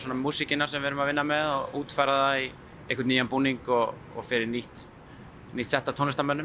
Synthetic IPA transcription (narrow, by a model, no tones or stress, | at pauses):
sɔnamuːsicɪnːaɾsɛmvɛːɾʏmaðvɪnːamɛðɔɣuːt̪fajɾaðai | ehkʰvʏtniːjanpuːniŋkɔɣ | ɔ̰ɣfɪɾɪɾniht̪ | niht̪sɛht̪at̪ʰɔnʏst̪amœnːʏ